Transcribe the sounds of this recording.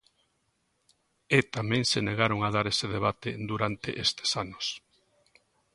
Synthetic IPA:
et̪amɛ̃ŋseneɣaɾoŋað̞aɾeseðeβ̞at̪ed̪uɾant̪ḛʔest̪e̥sanʊs

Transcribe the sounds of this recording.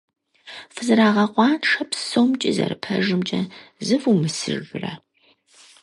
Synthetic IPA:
fɨzɨɾaːʁɐqʷʼɑːnʂɐpsowmt͡ʃʼɪzɐ̰rɨpʰɐʒɨmt͡ʃʼɐzɨfumɨsɨ̰ʒʊrɐ

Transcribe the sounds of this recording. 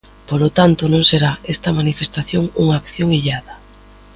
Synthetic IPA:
polot̪ant̪onõŋseɾaest̪ɐmanifest̪aθjoŋuŋaːkθjoŋiʎaðɐ

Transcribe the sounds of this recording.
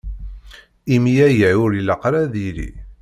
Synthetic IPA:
imjæjəʕʊɾiləqɾaðiɾḭ

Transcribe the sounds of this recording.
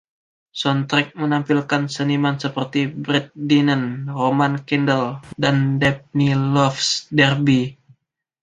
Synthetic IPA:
sɔnt̪ɾɛk̚mənampilkansənimansəpərt̪ibɾɛt̪̚dinənromankindəldandɛp̚nilɔfsdɛrbi

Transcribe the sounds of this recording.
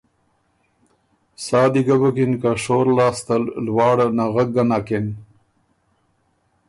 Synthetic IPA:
saːd̪iɡabakinkaʂoːɾlaːst̪alwɑːɽanaɣak̚ɡanaːken

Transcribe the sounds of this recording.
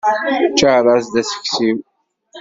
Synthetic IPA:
t͡ʃːaɾˤɑzd̪æsə̥çsiw

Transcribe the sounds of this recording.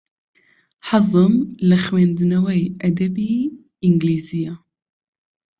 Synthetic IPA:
ħɑzˤɨmlɨxweːnd̪ɨnɐwɛjʔɐd̪ɛbiː | ɪŋɡliːzija

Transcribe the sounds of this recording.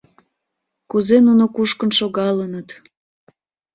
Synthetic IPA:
kuzenunokuʃkənʃoɣɑlənət̪

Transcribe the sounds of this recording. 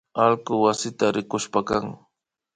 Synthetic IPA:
alkʊwasɪt̪aɾɪkʊʃpakaŋ

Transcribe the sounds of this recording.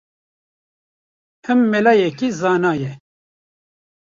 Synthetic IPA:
hɨmːɛlaːjɛkizɑːnaːjɛ

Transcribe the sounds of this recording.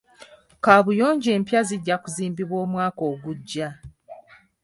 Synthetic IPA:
kaβujo̞ːɲɟe̞ːmpjaziɟːakuziːmbiβwo̞ːmwaːko̞ːɡuɟːa

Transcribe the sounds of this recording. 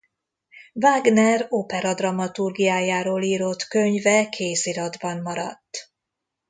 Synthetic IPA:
vaːɡnɛropɛɾɒd̪rɒmɒt̪urɡijaːjaːɾoːliːɾo̞t̪kø̞ɲvɛkʰeːsiɾɒd̪bɒmːɒɾɒ̰t̪ː

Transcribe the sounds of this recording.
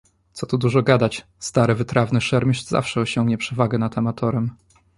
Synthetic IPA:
t̪sɔt̪ud̪uʐɔɡad̪at͡ɕ | st̪aɾɘvɘt̪ɾavnɘʂɛɾmʲiɕza̰fʂɛɔɕɔŋɡɲɛpʂɛvaɡɛnat̪amat̪ʰɔɾɛm

